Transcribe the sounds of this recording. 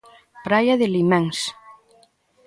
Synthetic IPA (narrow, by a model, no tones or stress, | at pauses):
pɾajaðɪlimeŋs